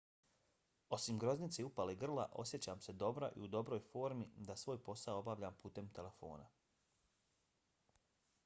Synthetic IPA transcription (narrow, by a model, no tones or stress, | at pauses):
o̞simɡɾo̞znit̪seupaleiɡr̩la̰ʔo̞̰sje̞t͡ɕaːmse̞d̪o̞bɾo̰ʔḭud̪o̞bɾo̞ːjfo̞ːɾmid̪asʋo̞ːjpo̞sao̞baʋʎaːmpuːt̪e̞mt̪e̞le̞fo̞̰ːna̰